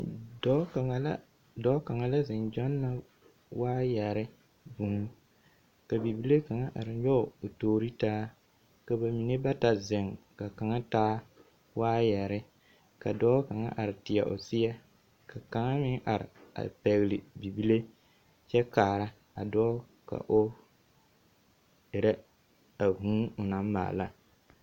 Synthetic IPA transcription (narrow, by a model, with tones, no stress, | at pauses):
dɔ˦˨˦ | dɔ˦ka˨ŋa˨la˦zɪ˨ŋd͡ʒɔ˦nːa˦ | waː˦jɛ˨ɾɪ˦ | bu˨ŋ˦ | ka˨bi˨bi˦le˦ka˨ŋa˦ʔa˨ɾɪ˨ɲɔ˦˨o˨toː˨ɾi˦taː˦ | ka˨ba˨mi˨ne˦ba˦ta˨zɪ˨ŋka˨ka˨ŋa˦taː˦ | waː˦jɛ˨ɾɪ˦ | ka˨dɔː˦ka˨ŋa̰˦ʔa˨ɾɪ˨tɪ˨a˨ʔo̰˨sɪ˦jɛ˦ | ka˨ka˨ŋa˦mɪ˦ŋʔa˨ɾɪ̰˨a̰˨pɛ˨ɣlɪ˨bi˨bi˦le˦ | t͡ʃɛ˦kaː˨ɾa˦ | a˨dɔː˦ | ka̰˨ʔo˦ | ɪ˨ɾɛ˦ | a˨ɦũ˦ʊ˨na˦m˦ma̰ː˨la˦